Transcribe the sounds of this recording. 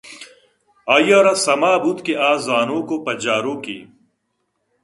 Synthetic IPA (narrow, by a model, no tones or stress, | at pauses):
aːjaɾasɐmaːbut̪keʔaːzaːnoːkopɐd͡ʑaːɾoːkḭː